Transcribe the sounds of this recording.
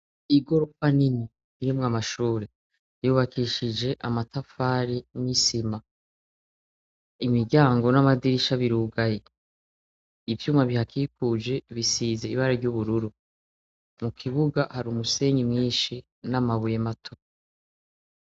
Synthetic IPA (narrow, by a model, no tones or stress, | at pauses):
iɡo̞ɾokanini | iɾimŋamaʃuːɾe | juːβakʰiʃid͡ʒe̞ʔamatafaːɾimisima | imiɟaːŋɡo̞namadiɾiʃaβiɾuːɡaje̞ | ivjuːmaβihakikud͡ʒe̞βisiːze̞iβaɾaɾɟuβuɾuɾu | mukʰiβuɡahaɾumuse̞ɲimŋiːnʃi | namaβujematʰo̥